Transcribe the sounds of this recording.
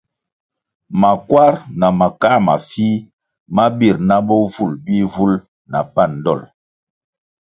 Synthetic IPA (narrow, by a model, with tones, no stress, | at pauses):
ma˨kwa˦ɾna˨ma˨ka˦ma̰˨fi˦ | ma˦bi˦˨ɾna˦bɔ˦vu˦˨lbi˦vu˦l | na̰˨pa˦˨n˨dɔ̰˦˨l